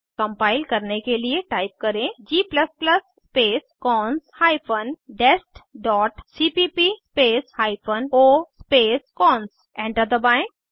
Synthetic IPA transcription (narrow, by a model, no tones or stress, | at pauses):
kɐ̃mpaːɪlkɐɾnekelieʈaːɪp̚kɐɾẽd͡ʒiːplɐspləsːpeːskɔːnshaːɪpʰənɖesʈɖɔːʈsiːpipispeːshaːɪpʰənoːspeːskɔːns | ɛ̃ːɳʈəɾd̪əbãɪ̃k